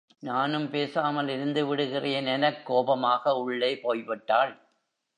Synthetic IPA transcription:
naːnɯmpeːsaːmɐlɪɾɯnd̪ɯʋɪɽɯɣɪrɐjɐnɛnɐkːoːbɐmaːɣɐʊɭːɐɪpoːjʋɪʈːaːɭ

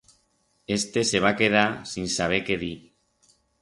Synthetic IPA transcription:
est̪eseβ̞akeð̞asinsaβ̞ekeði

